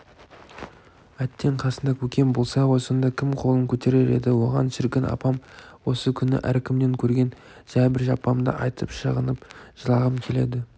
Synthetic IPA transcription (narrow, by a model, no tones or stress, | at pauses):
æt̪ːe̞ɴqʰɑsənd̪ɑkʲʰɵkʲe̞mbo̞lˠsɑwo̞sənd̪ɑkʲʰɪmqʰo̞lˠəŋkʲʰɵt̪e̞ɾe̞ɾe̞̰d̪ɪwo̞ʁɑ̰nʃɪɾkʲɪnɑ̰pɑmwo̞səkʲʰʏnɪ̰ʔæɾkʲʰɪmd̪e̞ŋkʲʰɵɾɡʲe̞n | ʒ̥æbɪɾʒɑpːɑmd̪ə̰ʔɑjt̪ʰəpʃəʁənəpʒ̥əlˠɑʁəmkʲʰe̞le̞̰d̪ɪ